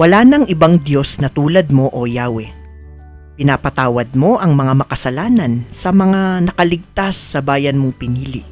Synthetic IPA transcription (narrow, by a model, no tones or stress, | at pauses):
wɐlaːnɐŋʔɪbaŋd̪jo̞snɐt̪uːlɐd̪̚mo̞ʔojaːwɛ | pɪnaːpɐt̪aːwɐd̪̚mo̞ʔɐŋmɐŋamɐkɐsɐlaːnɐnsɐmɐŋanɐkɐlɪɡ̚t̪asːɐbaːjɐnmoŋpɪniːlɪ̰